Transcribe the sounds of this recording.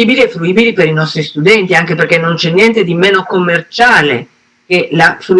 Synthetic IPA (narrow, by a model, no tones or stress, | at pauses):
iːbiliɛfɾuiːbilipeɾinɔst̪ɾist̪ud̪ɛnt̪iaŋk̟eperk̟enːont͡ʃɛnːjɛnt̪ed̪imeːnokomːert͡ʃaːlḛ | k̟elafɾu